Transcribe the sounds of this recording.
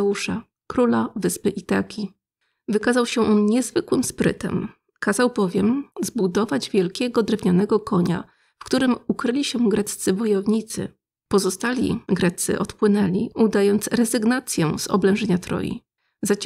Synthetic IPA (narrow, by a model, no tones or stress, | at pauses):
uʂa | kɾulavɘspɘʔit̪akʲi | vɘkazawɕɛʔɔnɲɛzvɘkwɘmspɾɘ̰t̪ɛ̰m | kazawbɔvʲjɛmzbud̪ɔvad͡ʑvʲjɛlkʲɛɡɔd̪ɾɛvɲanɛɡɔkʰɔɲa̰ | fkt̪uɾɘmukɾɘlʲiɕɛɡɾɛt̪t̪sɘvɔjɔvɲit̪sɘ̰ | pɔzɔst̪alʲḭɡɾɛt̪sɘ̰ʔɔt̪pwɘnɛlʲiud̪ajɔnt̪sɾɛzɘɡnat̪sʲjɛzɔ̰blɛ̃ʐɛɲat̪ɾɔ̰jḭ | za